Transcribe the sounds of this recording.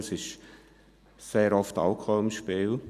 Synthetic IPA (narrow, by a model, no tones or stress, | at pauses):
sɪʃ | seːɾɔftɑ̰lkʰɔɪmʃpiːl